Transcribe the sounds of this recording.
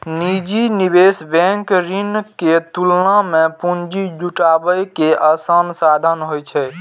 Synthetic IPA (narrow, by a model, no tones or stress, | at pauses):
nid͡ʒinibesbɛ̃ŋkɾinket̪ulnamepund͡ʒid͡ʒuʈabəjkeʔəsənsad̪ʱənɦojt͡ʃʰɛ